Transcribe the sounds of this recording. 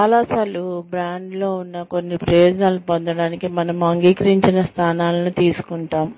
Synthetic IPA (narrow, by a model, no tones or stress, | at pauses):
aːlaːsaːlubɾaːɳɖlo̞ːunːɐko̞nːipɾɐjoːd͡ʒɐnaːlupond̪ɐɽaːnikimɐnɐmɐŋɡiːkɐɾiɲt͡ʃinɐst̪ʰaːnaːlɐnut̪iːsu̥kuɳʈaːm